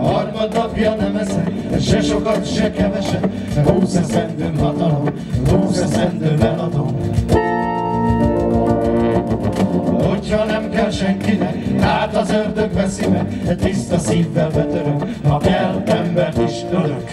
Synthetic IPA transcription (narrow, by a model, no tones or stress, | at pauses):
hɒrmɒd̪nɒpjɒnɛmɛzɛk | ʃɛʃo̞kɒt̪ʃɛkɛvɛʃɛb | ɦuːsɛsɛnd̪øːŋɦɒt̪ɒlo̞m | ɦuːsɛsɛnd̪øːɛlɒd̪om | ochɒnɛmkɛlʃɛŋkinɛkaːt̪ɒzørd̪ø̞kvɛsimɛɡt̪ist̪ɒsiːvːɛlbɛt̪øɾøŋhɒkɛlːɛmbɛrt̪iʃt̪øløk